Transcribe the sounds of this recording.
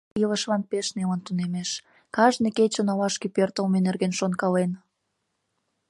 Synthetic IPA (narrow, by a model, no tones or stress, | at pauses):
ələʃlɑnpeʃnemənt̪unemeʃ | kɑʒneket͡ɕənɑlɑʃkepørt̪əlmenerɣenʃonkɑlen